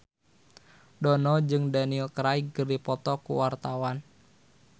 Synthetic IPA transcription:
dɔnɔd͡ʒɨŋdanilkɾaiɡərdipɔt̪ɔkṵwart̪awan

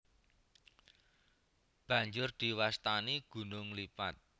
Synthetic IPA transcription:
b̥ä̤ɲd͡ʒʊrd̪̥i̤wast̪aniɡ̥ṳnʊŋlipat̪̚

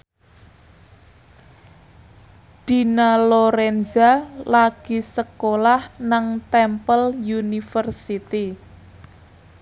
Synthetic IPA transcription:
d̪̥i̤naloɾɛnzalaɡ̥isəkolahnaŋt̪ɛmpəljunifərsit̪i

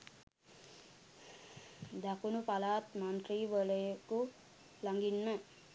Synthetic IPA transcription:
d̪ʱakunupalat̪mant̪ribʌleko | laŋɡinma

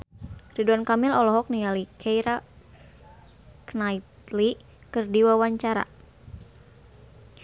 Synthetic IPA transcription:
riduankamilɔlɔɦɔk̚nijalikʰɛjɾa | knait̪li | kɨrdiwawaɲt͡ʃaɾa̰

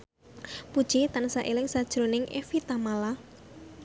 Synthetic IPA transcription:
pud̥ʒ̥it̪ansaʔelɪŋsad̥ʒ̥ɾonɪŋʔḛfit̪amala

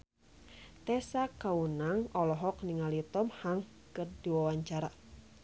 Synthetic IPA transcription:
t̪ɛsakaunaŋɔlɔɦɔk̚niŋalit̪ɔmhaŋkɨrdiwawaɲt͡ʃaɾa

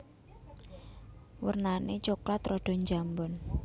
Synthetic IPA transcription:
wərnanet͡ʃoklat̪rɔɖ̥ɔ̤ɲd͡ʒambɔn

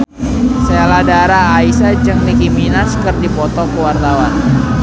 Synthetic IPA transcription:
seladaɾaːisad͡ʒɨŋnikiminaskərdipɔt̪ɔkəwart̪awan

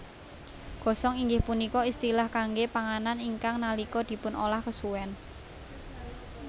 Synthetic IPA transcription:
ɡ̥ɔ̤sɔŋiŋɡɪhpunikɔist̪ilahkaŋɡepaŋananiŋkaŋnalikɔd̪̥i̤pʊno̰lahkəsuwɛn

